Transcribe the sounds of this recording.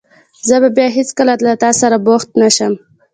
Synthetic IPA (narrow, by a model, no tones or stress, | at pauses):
zəbabjɑɦet͡skəlat̪lat̪ɑsaɾaboxt̪naʃəm